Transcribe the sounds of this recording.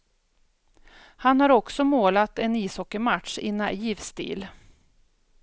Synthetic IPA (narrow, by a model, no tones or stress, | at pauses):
hanhaɾɔksɔmoːlat̪ɛniːshɔkːəɾmat̪ʂɪ̰naʔiːvst̪ḭːl